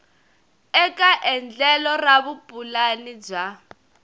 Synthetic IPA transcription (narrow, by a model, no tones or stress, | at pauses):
ɛkʼaʔɛnd͡ɮɛlɔraβupʼulanib͡ʐa